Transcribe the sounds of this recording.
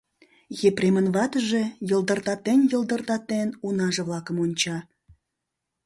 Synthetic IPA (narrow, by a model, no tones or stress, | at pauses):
ɣepremənβɑt̪əʒejə̆ld̪ərt̪ɑt̪enʲjə̆lˠd̪ərt̪ɑt̪enunɑʒə̆βlɑkə̆monʲt͡ɕɑ